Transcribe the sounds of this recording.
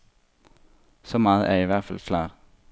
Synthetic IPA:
sɔmɑːð̩əʔæɐiːʋædfɑlkʰlɑːʁ

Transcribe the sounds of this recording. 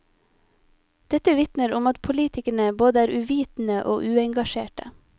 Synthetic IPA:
d̪̥ɛt̪əʋɪt̪nəɾʊmɑt̪pʰʊliːt̪ʰɪkəɳəboːd̪əæːɾʔʉʋiːt̪n̩əʔo̰ːʔʉːɛŋɡɑʃeːʈə̰

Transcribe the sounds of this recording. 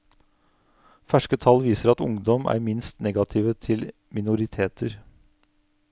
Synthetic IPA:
fæʂkət̪ʰɑlːʋiːsəɾɑt̪ʊ̰ŋd̪ɔmʔæ̰ːɾmɪnst̪nɛɡɑt̪ʰɪʋət̪ʰɪl | mɪnʊɾɪt̪ʰeːt̪ʰəɾ

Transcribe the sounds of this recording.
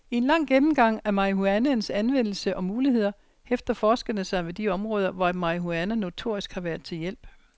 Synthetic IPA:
e̝nlɑ̈ŋ̰ɡ̥emm̩ɡ̥ɑ̈ŋ̰æɐmɑiɦuænænsænʋen̰l̩səʔɒ̽muːlihe̝ð̰ˠɐ | efd̥ɐfɒːsɡ̥ənəsɑ̈ɪʋe̝d̥iɒ̽mʁɔ̽ːð̞ˠɐʋɒæmɑ̈iɦuænəno̝t͡sʰo̝ɐ̰isɡ̥hɑ̈ʋæːɐðˠt͡sʰe̝ljel̰b̥

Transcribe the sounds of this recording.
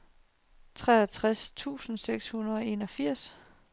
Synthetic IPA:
t͡sʰʁɛɐt͡sʰʁast͡sʰṵːsn̩seɡ̥shunɐðˠɒ̽e̝ːnɒ̽fiɐ̰s

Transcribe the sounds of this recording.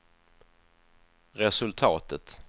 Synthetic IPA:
ɾɛsɵlt̪ʰɑːt̪ət̪

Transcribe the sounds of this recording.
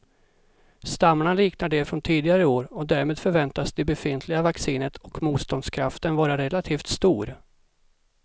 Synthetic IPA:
st̪amːaɳaliːknaɖɛfɾɔnt̪ʰiːd̪ɪɡaɾəoːɾɔd̪æːɾmeːd̪fœɾvɛnt̪asd̪ɛbɛfɪnt̪ʰlɪɡavaksiːnət̪ʰɔkmuːt̪st̪ɔnd̪skʰɾaft̪ənvɑːɾaɾɛlat̪ʰiːft̪st̪uːɾ

